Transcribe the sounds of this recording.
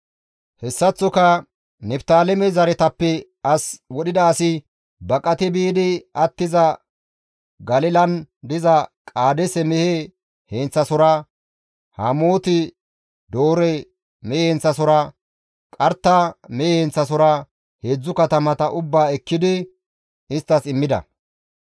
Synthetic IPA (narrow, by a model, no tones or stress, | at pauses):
hɛsːɐt͡sːɔkɐ | nɛpt̪aːlɛmɛzɐɾɛt̪ɐpːɛ | ɐswɔɗɪd̪ɐːsɪ | bɐkʼɐt̪ɪbiːd̪ɪɐt̪ːɪzɐ | ɡɐlɪlɐnd̪ɪzɐkʼaːd̪ɛsɛmɛhe | hent͡sːɐsɔɾɐ | hɐmoːt̪ɪ | d̪o̞ːɾɛ | mɛent͡sːɐsɔɾɐ | kʼɐɾt̪ːɐmɛjent͡sːɐs̬ɔɾɐ | hed͡zːʊkɐt̪ɐmɐt̪ɐʔʊbːaːɛkːɪd̪ɪ | ɪst̪ːɐsɪmːɪd̪ɐ̰